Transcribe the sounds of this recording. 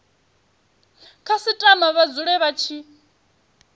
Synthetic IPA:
kʰasitʼamaβad͡zuɺɛβat͡ʃʰi

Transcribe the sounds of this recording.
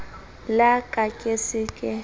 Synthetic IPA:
lakʼakʼesɪkʼɪ

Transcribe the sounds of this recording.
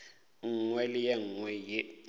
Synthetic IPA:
ŋ̩ŋwɛlɪjɛŋːwɛje

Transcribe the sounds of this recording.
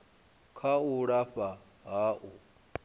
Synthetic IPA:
kʰauɺaɸa | ɦaːʔu

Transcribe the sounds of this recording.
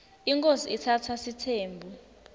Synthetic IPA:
iŋkʼoziitʰatʰasitʰeːmbʱu

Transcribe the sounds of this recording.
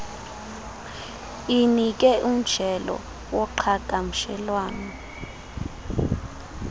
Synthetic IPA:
inik̬ʼɛʔum̩d͡ʒ̥ʱɛlɔ̰ | wɔǃʰakʼam̩ʃɛlwaːnɔ

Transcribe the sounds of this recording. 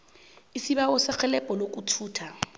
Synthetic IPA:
isibaɔsɪk͡xʰɛlɛpʼɔlokʼutʰuːtʰa

